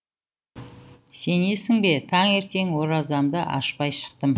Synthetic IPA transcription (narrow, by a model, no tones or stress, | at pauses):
se̞ne̞sɪŋbe̞t̪ʰɑŋe̞ɾt̪e̞ŋwo̞ɾɑzɑmd̪əʔɑ̰ʃpɑjʃə̥q̚t̪əm